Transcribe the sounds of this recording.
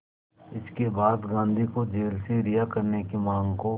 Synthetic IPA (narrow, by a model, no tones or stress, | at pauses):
ɪskebaːd̪ɡãːnd̪ʱikod͡ʒeːlseɾɪjakɐɾnekimãːŋɡko